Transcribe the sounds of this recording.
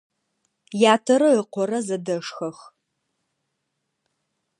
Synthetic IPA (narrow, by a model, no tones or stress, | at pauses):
jaːtʰɐɾɨəqʷɔrɐzɐdɐʂxɐx